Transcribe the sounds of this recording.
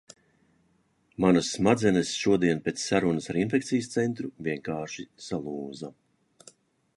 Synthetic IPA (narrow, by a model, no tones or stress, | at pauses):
manɐsmad̪zɛnesʃuɔd̪iɛnpʲet̪ssaɾunɨsaɾinfʲɛkt̪sijəst̪sɛnt̪ɾuviɛŋkaːʃisalˠuːza